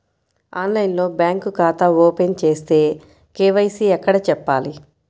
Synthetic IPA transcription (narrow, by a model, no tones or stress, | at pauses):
aːnlɐjnlo̞ːbjaːŋkukaːt̪ɐoːpent͡ʃe̞ːst̪e̞ː | keːʋɐjsiɛkːɐɽɐt͡ʃɛpːaːli